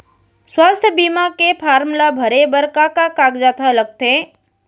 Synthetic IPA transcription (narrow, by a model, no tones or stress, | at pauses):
swast̪ʰjəbimakepʰaːɾmlabʱəɾebəɾkakakaɡd͡ʒat̪ʰaləɡ̚t̪e